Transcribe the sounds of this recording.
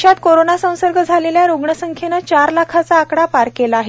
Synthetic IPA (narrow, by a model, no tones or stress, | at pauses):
jat̪koɾonasə̃w̃səɾɡəd͡zʱaleljaɾoɡɳəsəŋkʰenət͡ɕaɾlakʰat͡saːkɽapaɾkelaaːɦe